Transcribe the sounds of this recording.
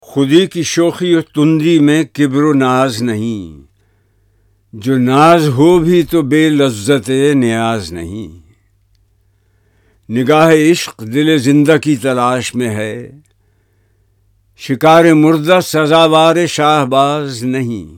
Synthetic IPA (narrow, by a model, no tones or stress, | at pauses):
xʊd̪ikiʃoːxiot̪ʊ̃nd̪imẽkɪbɾonaːznɐɦĩ | d͡ʒoːnaːzɦobʱit̪obeːlɐzət̪enɪjaːznɐ̰ɦḭ̃ | nɪɡaːɦeɪʃqd̪ɪlezɪ̃nd̪akit̪ɐlaːʃmẽɦɛː | ʃɪkaːɾemʊɾd̪asɐzaːʋaːɾeʃaːɦbaːznɐɦḭ̃ː